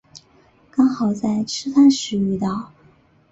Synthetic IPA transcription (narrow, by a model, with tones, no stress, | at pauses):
kɑ˥ŋxɑ˨˩ʊt͡sa˥˩ɪʈ͡ʂʰɻ̩˥t̪ʰa˥nʂɻ̩˧˥y˥˧t̪ɑ˥˩ʊ